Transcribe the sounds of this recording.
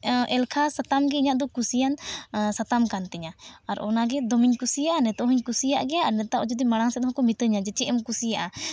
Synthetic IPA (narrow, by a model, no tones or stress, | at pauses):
ʔɛlkʰasat̪amɡɛiɲaʔd̪ɔkusijansat̪amkant̪ɛɲaaɾɔnaɡɛd̪ɔmiɲkusijaʔanɛt̪ɔɦiɲkusijaʔɡɛaːɾnɛt̪aʔɔd͡ʒud̪imaɽ̃aŋsɛt̪̚ɦɔ̃kɔmit̪əɲad͡ʒɛt͡ʃɛʔɛmkusijaʔa